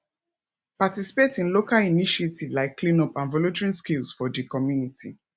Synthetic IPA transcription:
patisi̥petĩnlokaliniʃetʰivlaɪkːlĩnɔpãnvɔlutɹĩskilsfɔdikɔmjunitʰi

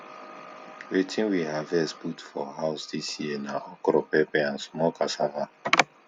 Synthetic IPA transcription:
wetʰĩnwiɦavɛsputfɔɦaʊsdisjienaʔɔkɾɔpɛpɛãnsmɔkasava

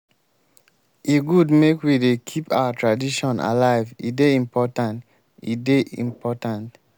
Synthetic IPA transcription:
eɡudmekwidekʰipa̰watɹadiʃɔ̃na̰laɪvḭdeĩmpʰɔtãnt | ḭdeʔḭ̃mpʰɔtãnt

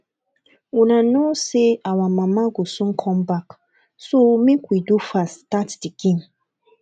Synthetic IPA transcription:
wunãnoseawãmãmãɡosũŋ̩kʰɔ̃mbak | somĩkwidufastatdiɡĩn

